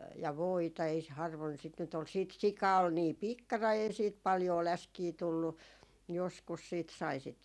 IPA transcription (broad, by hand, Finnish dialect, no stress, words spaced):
jɑ ʋoitɑ ei s hɑrʋoin sit nyt ol siːt sikɑ ol niː pikːɑrɑi ei siːt pɑljoː læskiː tulːu joskus siːt sɑi sit